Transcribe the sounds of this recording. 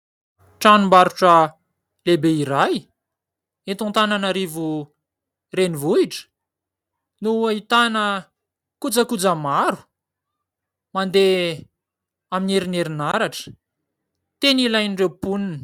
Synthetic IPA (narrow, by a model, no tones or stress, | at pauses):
ʈ͡ʂanimbaɾuʈ͡ʂə | lebeiɾaj | et̪ũnt̪ananaɾivu | renivuiʈ͡ʂə̥ | nuait̪anə | kud͡zəkud͡zəmaɾu̥ | mand̪e | amineɾineɾinaɾaʈ͡ʂə̥ | t̪enilaj̪ɖ͡ʐewpunini̥